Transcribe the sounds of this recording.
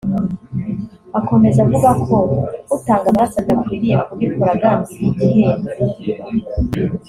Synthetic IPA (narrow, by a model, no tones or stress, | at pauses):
ako̞me̞zavuβakʰoutaːŋɡamaɾasaɡakwiɾieakuɡikoɾaɡanziiɡiheːne